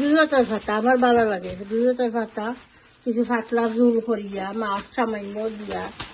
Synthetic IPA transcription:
duzɔt̪aɾfʰat̪aamaɾbalalaɡɛsbuzɔt̪aɾfat̪a | kit͡ɕʰufaʈlazulkoɾijamasʃʰamajnːod̪ija

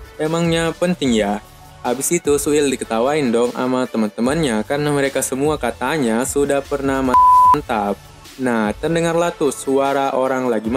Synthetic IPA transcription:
emaŋɲapənt̪ɪŋja | habɪsit̪usuɪldikət̪awaɪndɔŋʔa̰mat̪əmant̪əmanɲakarnaməɾekasəmuakat̪aɲasudahpərnahmasant̪ap̚ | naht̪ərndəŋarlaht̪usuaɾaʔoɾaŋlaɡim

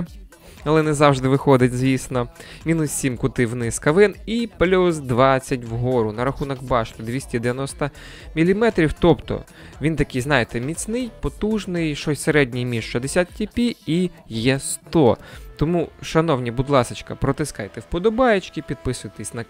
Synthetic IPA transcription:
ɐlˠɛnɛzɑwʒd̪ɪʋɪxɔd̪ɪtʲzʲʋʲisnɔmʲinʊssʲimkʊt̪ɪwnɪskɐʋɪniplʲusd̪ʋɑt͡sʲːɐtʲwɦɔɾʊnɐɾɐxunɐkbɑt͡ʃt̪ɪd̪ʲʋʲisʲtʲid̪eʋjɐnɔst̪ɐ | mʲilʲimɛt̪ɾʲiwt̪ɔpt̪ɔ̰ | ʋʲint̪ɐkɪjznɑjet̪ɛmʲit͡sʲnɪjpɔt̪uʒnɪjʃɔsʲseɾɛdʲnʲijmʲiʒʃɔd̪esʲat̪tʲipʲiijɛst̪ɔt̪ɔmuʃɐnɔwnʲibʊd̪lˠɑsɪt͡ʃkɐpɾɔt̪ɪskɑjt̪ɛwpɔd̪ɔbɑjet͡ʃkipʲid̪̚pɪsʊjt̪ɛsʲnɐk

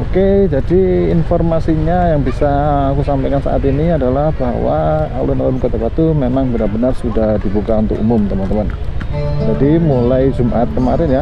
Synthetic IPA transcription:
oked͡ʒadiːnfɔrmasiɲajaŋbisaːkusampajkansa̰ʔa̰t̪iniadalahb̥a̰ɦwa̰a̰lunaumkat̪abat̪umemaŋbənarbənarsudahdibukaunt̪ʊ̰kṵmʊmt̪əmant̪əman | d͡ʒadimulajd͡ʒumʔat̪̚kəmaɾɪnja

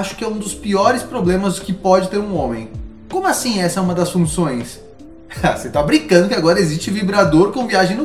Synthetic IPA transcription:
aʃʊ̥kɪɛũd̪ʊspiɔɾɪspɾoblẽmɐzd̪ʊkɪpɔd͡ʒɪt̪eɾũõmẽj̃ | kõmʊasĩɛsɐɛũmɐd̪ɐsfũsõj̃s | aset̪abɾĩkɐ̃nd̪ʊkɪaɡɔɾɐezist͡ʃɪvibɾad̪oɾkõviaʒẽj̃nʊ

